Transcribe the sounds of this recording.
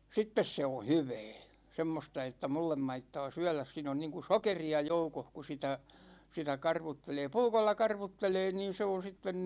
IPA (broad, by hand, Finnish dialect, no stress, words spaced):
sitːes se o hyʋɛː semːostɑ etːæ mulːem mɑitːɑː syɛ̹læs siːn on niːŋku sokeriɑ joukoh ku sitæ sitæ kɑrʋutːeleː puːkolːɑ kɑrʋutːeleː niːn se on̞ sitːen